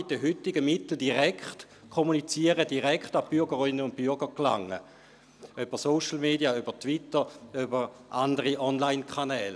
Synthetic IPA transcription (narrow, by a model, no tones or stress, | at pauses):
itdəɦytɪɡəmɪtl̩diʁɛkχt | kʰomunit͡siəʁədiʁɛkχtabyɐɡəʁɪnːəʊnt̚b̥yɡəʁkla̰ŋə̰ | øb̥əsoʃl̩meːdiaybətvitəʁøbəʁʔandəʁiʔɔnlaɪnkʰanɛːl